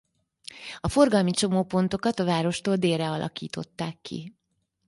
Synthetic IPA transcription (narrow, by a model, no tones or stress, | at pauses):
ɒfo̞rɡɒlmit͡ʃo̞moːpo̞nt̪o̞kɒt̪ɒvaːɾo̞ʃt̪oːld̪eːrɛɒlʔɒ̰kiːt̪o̞̰t̪ːaːkːḭ